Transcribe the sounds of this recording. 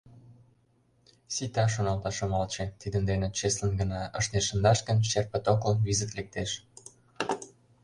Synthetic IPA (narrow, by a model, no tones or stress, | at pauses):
sit̪ɑʃ̬onɑlt̪ɑʃə̆mɑlt͡ɕet̪id̪ənd̪enĕt͡ɕeslə̆nɡə̆nɑəʃneʃə̆nd̪ɑʃkə̆nʃerpə̆t̪okəlnβizət̪lek̚t̪eʃ